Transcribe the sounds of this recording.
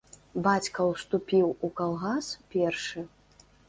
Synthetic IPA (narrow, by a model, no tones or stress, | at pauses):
bat͡sʲkɐwst̪upʲiwukalˠɣaspʲɛrʂɨ